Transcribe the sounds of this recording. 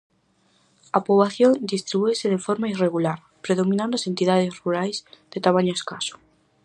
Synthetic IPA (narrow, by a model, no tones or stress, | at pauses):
apoβlaθjond̪ist̪ɾiβueseðefoɾmaireɣulaɾ | pɾeðomĩnãnd̪oasent̪iðað̞esruɾajzð̥et̪amaɲoeskaso̥